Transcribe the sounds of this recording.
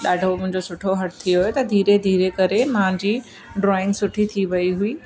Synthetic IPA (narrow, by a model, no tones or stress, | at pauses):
ɗaːɖʱomʊ̃ɦɪ̃ɲd͡ʑosʊʈʰoɦɐʈ̚t̪ʰijoɦjot̪ɐd̪ʱiːɾed̪ʱiːɾekɐɾemãːɲd͡ʑiː | ɖɾaːɪ̃nsʊʈʰit̪ʰiʋɐiɦuiː